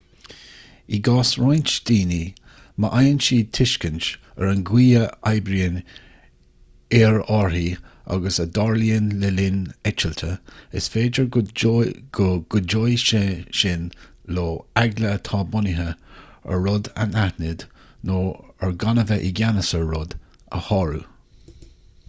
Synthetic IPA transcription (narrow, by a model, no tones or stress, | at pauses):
iɡɑːsɹajnt͡ʃd̪̥iːni | məʔajənt͡ʃiːt̪ʰɪʃkənt͡ʃ | əɹənɡwiːəajbɾiən | ɛɹɔɹhi | a̰ɡəsəd̪ɔɹliənlɛlɪnɛt͡ʃəlt̪ʰəɪ̰sfeːd͡ʒəɹ | ɡ̥ɡ̥ʊd͡ʒojʃeʃɪnloːaɡlət̪ʰɑːbʊnɪɦəə̰ɹʊd̪a̰nahnɪd̪noːəɹɡanəvəʔɪɡanəsəːʊd̪ | ə̰hɔɹu